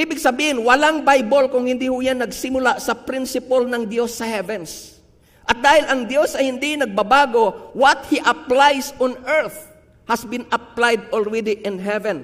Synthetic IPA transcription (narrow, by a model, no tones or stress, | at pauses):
ʔiːbɪɡsɐbiːhɪnwɐlaŋbajbolkʊŋhɪnd̪ihʊjanːɐɡsɪmʊlasɐpɾɪnsɪpɐlnɐŋd̪josːɐhɛvɛns | ʔɐt̪̚d̪aːhɪlʔɐŋd̪jo̞sɐjhɪnd̪inɐɡ̚bɐbaːɡo̞wɐt̪̚hiʔɐplajsɔnɛɹθ | hɐsbɪnɐp̚lajd̪̚ɔlɹɛd̪ɪʔɪnɦɛvɛ̃n